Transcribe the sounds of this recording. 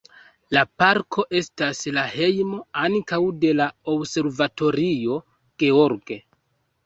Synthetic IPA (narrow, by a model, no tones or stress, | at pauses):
lapaɾkʰo̞ʔe̞staslahe̞jmoankawde̞laobse̞ɾvato̞ɾio̞ | ɡ̥e̞oɾɡe̞